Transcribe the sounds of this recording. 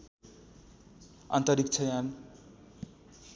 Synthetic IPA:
ʌ̰nt̪ʌɾik̚t͡sʰʌjan

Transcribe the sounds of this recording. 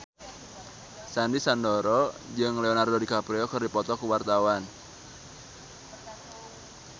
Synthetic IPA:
sandisandoɾɔd͡ʒɨŋleɔnardɔdikapɾeɔkɨrdipɔt̪ɔkuwart̪awan

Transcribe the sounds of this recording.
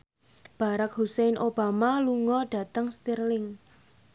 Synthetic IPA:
b̥a̤ɾak̚ɦusejnʔob̥amaluŋɔɖ̥ä̤t̪əŋst̪irlɪŋ

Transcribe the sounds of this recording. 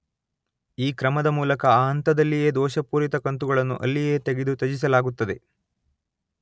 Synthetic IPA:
iːkɾɐmɐd̪ɐmuːlɐkɐaːɐnt̪ɐd̪ɐlːijeːd̪ɔːʃɐpuːɾit̪ɐkɐnt̪uɡɐɭɐnːṵʔɐ̰lːije̞ːt̪eɡed̪ut̪ɐd͡ʒis̬ɐlaːɡut̪ːɐd̪e̞

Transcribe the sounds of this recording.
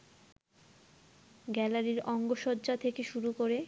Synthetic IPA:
ɡɛlaɾiɾɔŋɡoʃɔd̪d͡ʑat̪ʰekeʃuɾukoɾe

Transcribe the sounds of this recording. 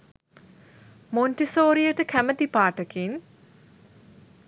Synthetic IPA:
monʈisoːɾijəʈəkʰæmət̪ipaːʈəkin

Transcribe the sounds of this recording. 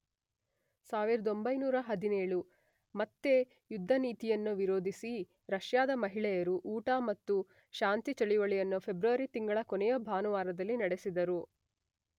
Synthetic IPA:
saːʋiɾɐd̪o̞mbɐjnuːɾɐɦɐd̪ineːɭu | mɐt̪ːe̞ | jud̪ʱːɐniːt̪ijɐnːuʋiɾoːd̪ʱisi | ɾɐʃjaːd̪ɐmɐɦiɭɛjɐɾuʔuːʈaːmɐt̪ːu | ʃaːnt̪it͡ʃɐɭiʋɐɭijɐnːupʰe̞bɾuʋɐɾit̪iŋɡɐɭɐkonɛjɐbʱaːnuʋaːɾɐd̪ɐlːinɐɽesid̪ɐɾu

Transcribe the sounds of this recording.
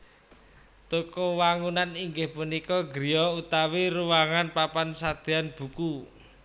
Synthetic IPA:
t̪ukɔwaŋunaniŋɡɪhpunikɔɡɾijɔut̪awiɾuwaŋanpapansad̪̥ianb̥ṳku

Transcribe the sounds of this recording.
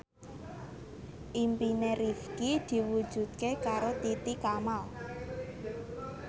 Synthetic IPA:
ʔimpineɾifkid̪̥i̤wud̥ʒ̥ṳt̪̚kekaɾot̪it̪ikamal

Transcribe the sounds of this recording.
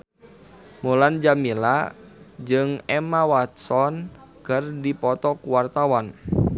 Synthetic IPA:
muland͡ʒamila | d͡ʒɨŋɛmawat̪sɔnkɨrdipɔt̪ɔkuwart̪awan

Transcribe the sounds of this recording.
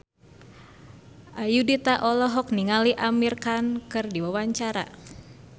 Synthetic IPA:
ʔajudit̪aʔɔlɔɦɔk̚niŋaliʔamirkankɨrdiwawaɲt͡ʃaɾa̰

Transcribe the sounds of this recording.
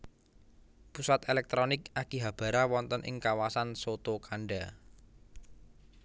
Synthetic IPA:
pusat̪elɛk̚t̪ɾɔnɪkakiɦab̥ä̤ɾawɔnt̪ənʔɪ̰ŋkawasansot̪okaɳɖa

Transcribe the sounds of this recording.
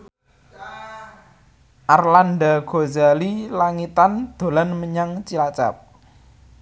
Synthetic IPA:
ʔarlanɖaɡ̥ozalilaŋit̪and̪̥o̤lanməɲaŋt͡ʃilat͡ʃa̰p̚

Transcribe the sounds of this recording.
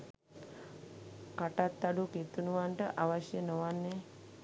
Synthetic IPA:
kɐʈat̪ːɐɖuket̪ːunuʋaɳʈəʔaʋɐʃjɐnoʋanːe

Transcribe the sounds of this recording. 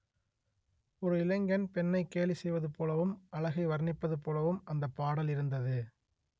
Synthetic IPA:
ɔɾɯɪlɐŋɡɐnpɛnːɐɪkːeːlisɛjʋɐðɯpoːlɐʋɯmɐɭɐɣɐɪʋɐɾnɪpːɐðɯpoːlɐʋɯmɐnd̪ɐpːaːɽɐlɪɾɯnd̪ɐðɯ

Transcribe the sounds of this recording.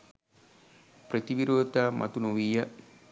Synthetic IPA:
pɾet̪iʋiɾot̪amʔa̰t̪unoʋija

